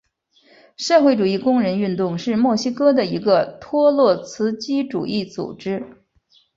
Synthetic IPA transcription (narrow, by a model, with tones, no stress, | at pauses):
ʂɤ˥˧xwe˥˩ɪʈ͡ʂu˨˩i˥˩kʊ˥ŋɻə˧˥ny˥˧nt̪ʊ˥˧ŋʂɻ̩˥˧mwɔ˥˩ɕi˥kɤ˥d̪ə˨i˧˥ɡə˧t̪ʰwɔ˥lwɔ˥˩t͡sʰɹ̩˧˥t͡ɕi˥ʈ͡ʂṵ˨˩ʔi˥˩t͡sṵ˨˩ʈ͡ʂɻ̩˥